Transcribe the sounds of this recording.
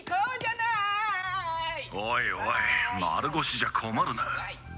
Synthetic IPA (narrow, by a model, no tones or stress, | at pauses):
ojojma̰ɾɯɡoɕiʑakʰomaɾɯna